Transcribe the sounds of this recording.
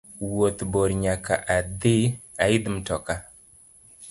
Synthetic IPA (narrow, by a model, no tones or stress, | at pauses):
wot̪boɾɲaka̰ʔad̪ɪ | aɪd̪mtɔka